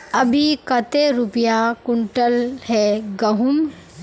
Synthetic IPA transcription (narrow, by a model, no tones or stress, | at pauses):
ɐbʱikɐt̪eɾʊpjakʊɳʈəlhɛɡɐɦʊm